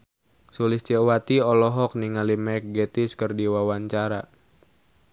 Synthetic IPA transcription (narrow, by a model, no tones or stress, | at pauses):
sulist͡ʃɛwat̪iɔlɔɦɔk̚niŋalimɛk̚ɡɛt̪iskərdiwawaɲt͡ʃaɾa̰